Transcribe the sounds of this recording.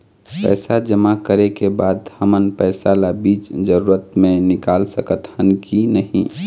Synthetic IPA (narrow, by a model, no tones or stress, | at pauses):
pɛ̰ːsad͡ʒəmakəɾekebaːd̪həmənpɛːsalabiːt͡ʃd͡ʒəɾuːɾət̪mẽnɪkaːlsəkət̪hənkʰinəɦḭ̃